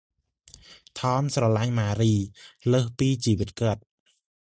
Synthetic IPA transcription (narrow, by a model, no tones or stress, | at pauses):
t̪ʰɑːmsrɑlaŋmaːɾiːləːhpiːt͡ɕiːʋɨt̪̚kəət̪̚